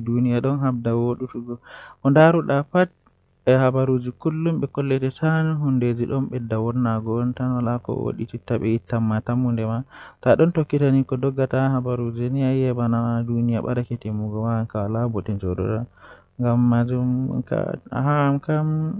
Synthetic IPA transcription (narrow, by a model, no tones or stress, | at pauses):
dunijaɗɔnɦab̚dawoɗutuɡɔʔɔndaɾuɗafat̚ | ɛhabaɾud͡ʒikulːumɓɛkɔlːɛtɛsanɦunded͡ʒiɗɔnɓɛdːawɔnːaɡɔntanɔlakɔ̰wo̰ɗititːaɓɛitːamːatamundɛmataɗɔntokːitanikɔdɔɡːatahabaɾud͡ʒiniajɛbanadunijaɓa̰ɾakɛtimuɡɔwaŋkawlabɔtɛnd͡ʒɔdɔ̰ɗa | ŋɡamːad͡ʒum̰ka̰ɦamkam